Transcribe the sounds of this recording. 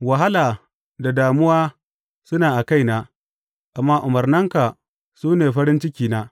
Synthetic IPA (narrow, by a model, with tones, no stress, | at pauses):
wɐ˨ɦa˦laː˨ | da˨daː˨mʊ˦waː˦ | sʊ˦naː˨ʔa˨ka˦jnaː˦ | ʔa˨mːaː˦ʔʊ˨mɐ˨rnɐ˦ŋka˨ | suː˦neː˨ɸɐ˦ɾɪ˦nt͡ʃɪ˦kʲiː˨naː˦